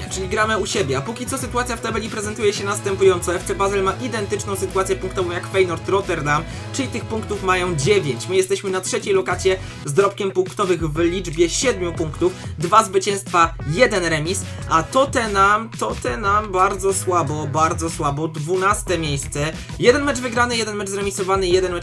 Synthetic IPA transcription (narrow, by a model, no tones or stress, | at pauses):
t͡ʂɘlʲiɡɾamɘuɕebʲjɛapukʲit̪sɔsɘt̪uat̪sʲjaft̪ɛbɛlʲipɾɛzɛnt̪ujɛɕɛnast̪ɛmpujɔnsɔɛft̪sɛbazɛlmaʔid̪ɛnt̪ɘt͡ʂnɔ̃w̃sɘt̪uat̪sʲjɛpuŋkt̪ɔvɔ̃w̃jakfɛjnɔɾt̪ɾɔt̪ɛɾd̪am | t͡ʂɘlʲit̪ɘxpuŋkt̪ufmajɔ̃w̃d͡ʑevʲjeɲt͡ɕmɘjɛst̪ɛɕmɘnatʂɛt͡ɕejlɔkat̪sʲjɛ | zd̪ɾɔp̚kʲɛmpuŋkt̪ɔvɘɣvlʲid͡ʐbʲjɛɕɛd̪mʲjupuŋkt̪ufd̪vazvɘt͡ɕɛ̃w̃st̪fajɛd̪ɛnɾɛmʲis | ʔat̪ɔt̪ɛnamt̪ɔt̪ɛnambaɾd̪zɔswabɔbaɾd̪zɔswabɔd̪vunast̪ɛmʲjejst̪sɛ | jɛd̪ɛnmɛt͡ʂvɘɡɾanɘjɛd̪ɛnmɛʐzɾɛmʲisɔvanɘjɛd̪ɛnmɛ